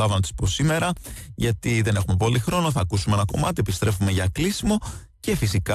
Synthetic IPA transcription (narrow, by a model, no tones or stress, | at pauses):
ɐvnɐt̪i̥spo̞sime̞ɾɐʝɐt̪iðe̞ne̞xume̞po̞lixɾo̞noθɐkusumeenɐko̞̰mɐt̪iepist̪ɾe̞fume̞ʝɐklisimo̞ | ce̞fisikɐ